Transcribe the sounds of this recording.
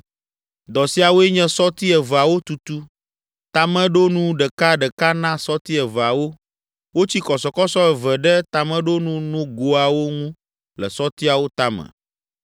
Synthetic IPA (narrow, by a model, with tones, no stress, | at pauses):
d̪ɔ˨si˦a˨wo˦ɛ˦ɲɛ̃˦sɔ˦t̪i˦ɛ˨və˨a˨wo˦t̪u˨t̪u˦ | t̪a˨mɛ̃˦ɖo˦nũ˦ɖɛ˨ka˦ɖɛ˨ka˦nã˦sɔ˦t̪i˦ɛ˨və˨a˨wo˦ | wo˦t͡ɕi˦kɔ˨sɔ˨kɔ˦sɔ˦ɛ˨və˨ɖɛ˦t̪a˨mɛ̃˦ɖo˦nũ˦nũ˦ɡo˦a˨wo˦ŋũ˦ | lɛ̰˨sɔ˦t̪i˦a˨wo˦t̪a˦mɛ̰̃˨